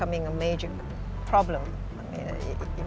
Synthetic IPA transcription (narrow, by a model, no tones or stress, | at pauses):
ʌmɪ̃ŋəmeɪd͡ʒə | pʰɹ̥ɑblə̃m | aɪmḭ̃n̰